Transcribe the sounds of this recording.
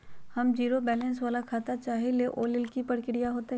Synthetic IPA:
hɐmd͡ʒiːɾobɛːlɛ̃ːnsʋaːlakʰaːt̪at͡ʃaːɦeleʔoːlɪlkipɐɽkɪɽijaɦoːt̪e

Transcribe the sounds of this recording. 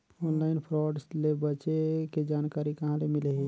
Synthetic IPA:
onlaɪnpʰɾɔɖslebət͡ʃeked͡ʒankaɾikəɦãlemileɦi

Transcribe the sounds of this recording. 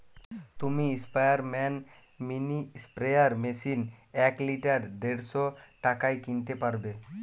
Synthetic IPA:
t̪umiispajaɾmɛn | minispɾejaɾmesinɛkliʈaɾd̪eɾʃoʈakajkint̪epaɾbe

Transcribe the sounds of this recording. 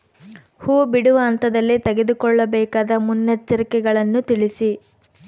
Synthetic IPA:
huːbiɽuʋɐːnt̪ɐd̪ɐlːit̪eɡed̪ukɔɭːɐbɛːkaːd̪ɐmunːɐt͡ʃːɐɾikɛɡɐɭɐnːut̪iɭisi

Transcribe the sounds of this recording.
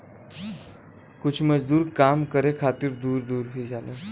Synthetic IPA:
kut͡ʃʰməd͡ʑd̪uːɾkamkəɾekʰat̪iːɾd̪uːɾd̪uːɾɦiːd͡ʒʱale

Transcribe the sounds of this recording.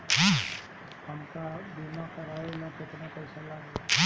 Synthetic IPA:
ɦ | həmkabimakɐɾaelakɪt̪napɐɪsalaːɡa

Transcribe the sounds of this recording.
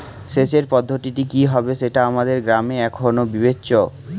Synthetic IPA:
ʃeʃeɾpɔd̪ʱːoʈiʈikiɦɔbeʃeʈaamad̪eɾɡɾameɛkʰonobibetːɕo

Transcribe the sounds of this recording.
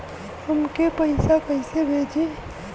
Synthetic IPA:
t̪ʊmkepəɪsakəɪsebʱed͡ʒi

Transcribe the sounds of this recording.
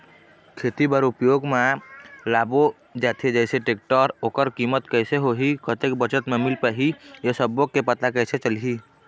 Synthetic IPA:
kʰeːt̪ibəɾupjoːɡmelaːbo | d͡ʒat̪ʰed͡ʒɛɪseʈeːk̚ʈɔɾoːkəɾkimət̪kəɪseɦoɦikət̪ek̚bət͡ʃət̪memilpəɦijesəbokepət̪akəɪset͡ʃəlɦi

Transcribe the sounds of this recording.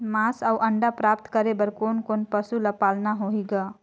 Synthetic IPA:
masawʔəɳɖapɾap̚t̪kəɾebəɾkonkonpəsuləpalnaɦoiɡa

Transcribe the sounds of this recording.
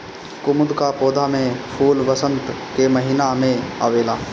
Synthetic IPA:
kʊmʊd̪kapoːd̪ʱamẽfʰuːlʋəsə̃nt̪ | keməɦiːnamẽa̰ʋeːlaː

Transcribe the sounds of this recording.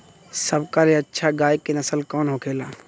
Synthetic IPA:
sɐbkalieɐtːʃʰaɡaːjkenɐsəlkɔːnɦoːkʰeːlaː

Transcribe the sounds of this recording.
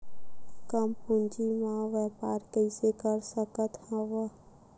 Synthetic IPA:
kəmpʊnd͡ʒimãʋeːpaːɾkəisekəɾsəkət̪hə̃ʋə

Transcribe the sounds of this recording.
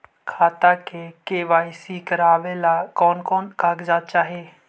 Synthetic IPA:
kʰaːt̪akekeːʋaːɪsikəɾaːʋelakɔːnkɔːnkaːɡzaːt͡ʃaːɦeː

